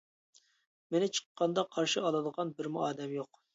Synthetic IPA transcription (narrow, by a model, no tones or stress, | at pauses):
menɪt͡ʃʰə̥qːɑnd̪ɑqʰɑɾʃɨɑlˠɨd̪əʁɑnbɪɾmuɑːd̪ɛmjoq